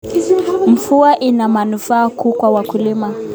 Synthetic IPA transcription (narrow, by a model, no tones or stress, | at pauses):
m̩fuaʔinamanufaːkuːkwawakulima